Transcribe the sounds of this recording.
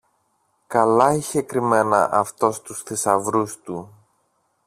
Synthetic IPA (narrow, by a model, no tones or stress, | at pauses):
kɐlɐiçekɾime̞nɐ̰ʔɐft̪o̞st̪usθisɐvɾust̪u